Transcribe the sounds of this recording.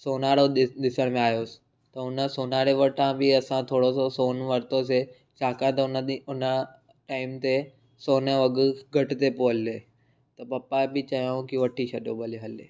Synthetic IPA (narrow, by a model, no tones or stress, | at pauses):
soːnaːɽoɗɗ̪ɪsəɽ̃mẽaːjoːsɪ̥ | t̪ɐʊnəsoːnaːɽeʋɐʈãbɪɐsãt̪ʰoːɽososoːnʋɐɾt̪ose | t͡ɕʰaːkãt̪ɐʊnəʊnə | ʈaːɪmt̪e | soːnəʋɐɡɡʱɐʈɪ̆t̪epoəlːe | t̪ɐpɐpːabɪt͡ɕɐjõkiʋɐʈʰiʃʰɐɗjobʱɐliɦɐleː